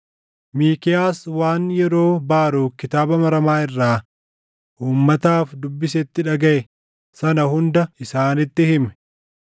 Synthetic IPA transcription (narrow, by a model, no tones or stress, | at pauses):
miːkɪjaːswaːnjɛɾo̞ːbaːɾuːkɪt̪aːbɐmɐɾɐmaːɪrːaː | ʔuːmːɐt̪aːfd̪ʊbːɪsɛt̪ːɪᶑɐɡɐʔɛ | sɐnɐhʊnd̪ɐɪsaːnɪt̪ːɪhɪmɛ̥